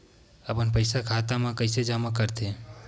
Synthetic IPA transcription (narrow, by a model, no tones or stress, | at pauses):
əpənpəɪsakʰat̪amãkəɪsed͡ʒamakəɾt̪ʰe